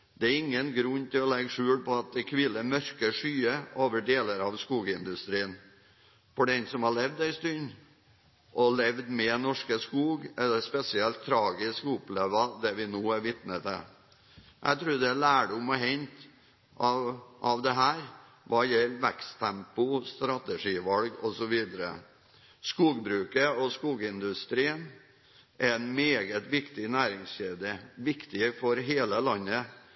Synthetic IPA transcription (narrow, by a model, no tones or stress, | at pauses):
d̪̥ɛæɾɪŋːənɡɾʉnːt̪ʰɪlɔlɛɡʂʉːlpɔɑt̪̚d̪ɛkʰʋɪlːəmœɾkəʂyːəoːʋəɖeːləɾɑʋskuːɡəɪnd̪ʉst̪ɾiːən | fɔɖɛnsɔmhɑɭɛʋd̪æɪst̪ʉn | ʔɔlɛʋd̪mɛnɔʂkəskuːɡɛlɛspɛsɪɛlt̪ʰːɾɑːɡɪskʊpleːʋəd̪ɛʋɪnoːæɾʋɪt̪nət̪ɛ̰ | ʔæ̰ɪt̪ʰɾʉːɾd̪ɛælæːɖʊmɔɦɛnt̪ | ɑʋʔɑʋd̪ɛɦæːɾ | ʋʔɑːjɛlːʋɛkst̪ʰːɛmpʊst̪ɾɑt̪əʂiːʋɑlɡɔsɔʋiːd̪əɾə̰ | skuːɡbɾʉːkəɔskuːɡəɪnd̪ʉst̪ɾiːən | ʔæɾɛnmeːɡət̪ʋɪkt̪ɪnæːɾɪŋsçeːd̪əʋɪkt̪ɪfɔɾɦeːləlɑnːə